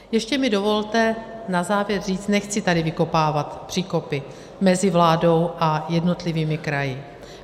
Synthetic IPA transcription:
jɛʃcɛmɪdo̞vo̞lt̪ɛnazaːvjɛɾriːt͡st̪nɛxt͡sɪt̪adɪvɪko̞paːvat̪pr̝̥iːko̞pɪ | mɛzɪvlaːdo̞wʔajɛdno̞t̪lɪviːmɪkɾajɪ

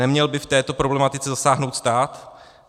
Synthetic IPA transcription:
ɛmɲɛlbɪft̪ɛːt̪o̞pɾo̞blɛmat̪ɪt͡sɛzasaːɦno̞wt̪st̪aːt̪

